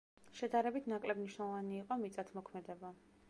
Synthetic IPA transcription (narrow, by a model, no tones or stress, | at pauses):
ʃɛd̪aɾɛbit̪ʰnakʼlɛbniʃnɛlˠɔvaniːqʼɔmit̪sʼat̪ʰmɔkʰmɛd̪ɛba